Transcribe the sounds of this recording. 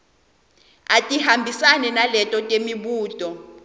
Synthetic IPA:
atʼiɦambʱisanɛnalɛtʼɔtʼemiɓuːtʼɔ

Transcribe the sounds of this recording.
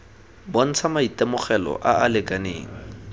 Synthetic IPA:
bon̩t͡sʰamaitʼɛmʊχɛlɔ̰ʔaalɪkʼanḛːŋ̩

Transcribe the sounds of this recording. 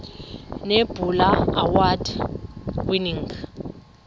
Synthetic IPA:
neb̥ʱulaawad | winiŋɡ

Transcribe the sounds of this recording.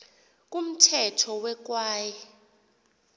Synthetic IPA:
k̬ʼum̩tʰɛtʰɔwɛk̬waːjɛ

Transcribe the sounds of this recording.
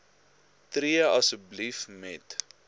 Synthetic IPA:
triəɐsəblifmɛt

